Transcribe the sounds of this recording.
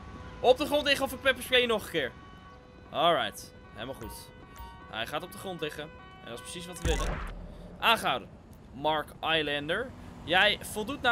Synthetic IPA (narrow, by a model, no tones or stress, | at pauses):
ɔp̚dəχrɔntlɪχəɔfɪk̚pɛpəɹsprejənɔχəkɪːɹ | ʔɔlˠɹajt | hḛlmalˠχut | ɦɛ̰jχaːtɔb̚dəχrɔntlɪχə | ɛ̰ndɑtɪsprə̥sis̬ʋɑtʋəʋɪləʔaːnχəɦawdə | mɑɹkajlɛndəɹjɛjfɔlˠdutna